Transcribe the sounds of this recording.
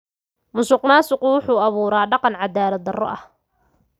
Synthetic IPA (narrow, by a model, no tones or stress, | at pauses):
mʊsʊqnaːsʊqʊwʊħuːɐβuːɾaːɖɑqɑnʕɑd̪aːlɐd̪ɐrɔ̰ʔɐh